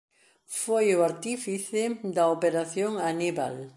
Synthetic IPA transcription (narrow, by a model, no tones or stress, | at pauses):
fojʊaɾt̪ifiθɪd̪ɐopeɾaθjoŋaniβa̰l